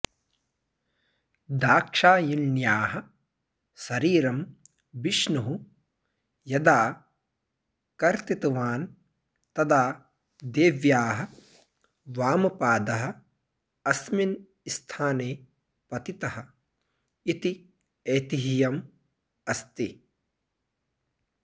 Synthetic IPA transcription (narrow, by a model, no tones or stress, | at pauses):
d̪aːkʂaːjilnjaːɦɐ | sɐɾiːɾɐm | biʃnuɦu | jɐd̪aː | kɐɾt̪it̪ɐʋaːn | t̪ɐd̪aː | d̪eːʋjaːɦɐ̆ | ʋaːmɐpaːd̪ɐɦɐ̆ | ɐsmin | ist̪ʰaːneː | pɐt̪it̪ɐɦɐ̆ | it̪i | eːt̪iɦijɐm | ɐst̪i